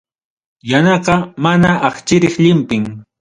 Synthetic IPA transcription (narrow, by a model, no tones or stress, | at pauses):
janɑqɑmanaʔɑχt͡ʃɪɾɪχʎɪmpɪŋ